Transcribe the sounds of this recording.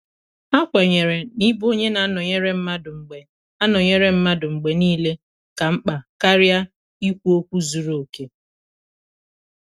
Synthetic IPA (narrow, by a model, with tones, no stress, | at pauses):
a˦kʷa˨ɲe˨ɾe˨ni˦bo˦ɲe˦na˨˦nɔ˨ɲe˦ɾe˦m̩˦ma˦dʊ˨ŋ͡m̩˨ɡ͡be˨ | a˦nɔ˨ɲe˦ɾe˦m̩˦ma˦dʊ˨ŋ͡m̩˨ɡ͡be˨niː˦le˦ | ka˨m̩˦k͡pa˨ka˦ɾja˦ | i˦kʷu˦o˦kʷu˦zu˨ɾo˨o˨ke˦